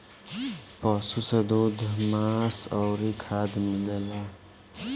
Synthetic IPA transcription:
pʌsused̪ud̪ʱmasʌwɾikʰad̪milela

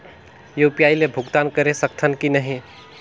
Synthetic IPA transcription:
jopjailebʱʊɡt̪aːnkəɾesəkt̪ʰənkinəɦĩ

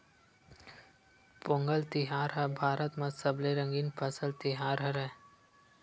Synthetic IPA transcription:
põːŋɡəlt̪ɪɦaːɾɦɛbʱaːɾət̪mãsəbleɾə̃ŋɡiːnpʰəsəlt̪ɪɦaːɾɦɛɾɛː

